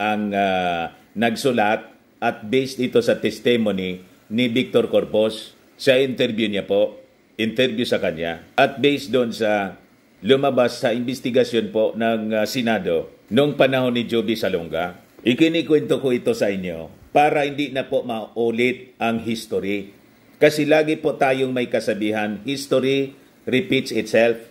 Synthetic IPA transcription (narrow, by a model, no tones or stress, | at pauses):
ʔɐŋa | nɐɡ̚sʊlat̪̚ | ʔɐt̪̚bɛjsɪt̪o̞sɐt̪ɛst̪ɛmonɪ | nɪbɪk̚t̪oɾkoɾposː | ɐʔɪnt̪ɛɾbjʊɲapoʔ | ɪnt̪ɛɾbjʊsɐkɐɲja̰ʔɐt̪̚bɛjsd̪onsɐ | lʊmɐbasːɐʔɪmbɪst̪ɪɡɐsjo̞npoʔnɐŋsɪnaːd̪o̞ | nʊŋpɐnɐɦo̞nːɪd͡ʒobɪsɐloŋɡa̰ | ʔɪkɪnikwɛnt̪okoɪt̪o̞sɐʔɪɲːo̰paːɾɐhɪnd̪inɐpoʔmɐʔuːlɪt̪̚ʔɐŋɦist̪oɾi | kɐsɛlaːɡɪpot̪aːjoŋmɐjkɐsɐbiːɦanhist̪oɾi | ɾɪpit̪sɪt̪sɛlf